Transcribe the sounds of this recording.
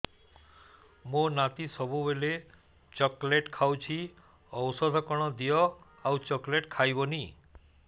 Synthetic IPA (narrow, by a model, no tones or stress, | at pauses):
monat̪isɔbuʋele | t͡ʃɔkleʈkʰawt͡ʃʰi | ɔwsɔd̪ʱɔkɔɽ̃ɔd̪ijɔ | aũt͡ʃɔkleʈkʰajboni